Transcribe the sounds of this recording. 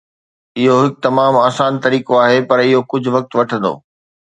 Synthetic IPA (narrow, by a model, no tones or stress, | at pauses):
ɪɦoɦɪk̚t̪ɐmaːmaːsaːnt̪ɐɾiːkoaːɦepɐɾɪɦokʊd͡ʑʱʊʋɐk̚t̪ʋɐʈʰə̃n̆d̪o̰ː